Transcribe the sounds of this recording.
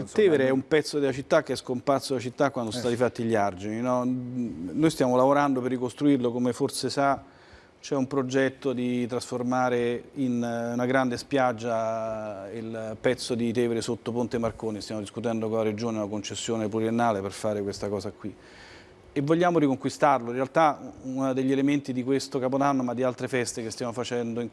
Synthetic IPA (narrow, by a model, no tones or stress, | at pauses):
it̪ɛːveɾeɛumpɛt̪sːod̪elat͡ʃit̪ːak̟ːeɛskomparsodelat͡ʃit̪ːakwand̪ost̪ad̪ifat̪ːiʎːiard͡ʒininɔ | nojst̪jaːmolavoɾand̪operːikost̪ɾuirlokomeforsesa | t͡ʃɛumpɾod͡ʒɛt̪ːod̪it̪ɾasformaːɾeinunaɡɾand̪espjad͡ʒːa | ilpɛt̪sːod̪it̪ɛːveɾesot̪ːopont̪emarkoːnist̪jaːmod̪iskut̪ɛnd̪okonlaɾed͡ʒoːneunakont͡ʃesːjoːnepluɾienːaːleperfaːɾekwest̪akɔːzakwi | evːoʎːaːmoɾikoŋkwist̪arloinrːealt̪aunad̪eʎːielement̪id̪ikwest̪okap̬od̪anːomad̪ːialt̪ɾefɛst̪ekest̪jaːmofat͡ʃɛnd̪oiŋ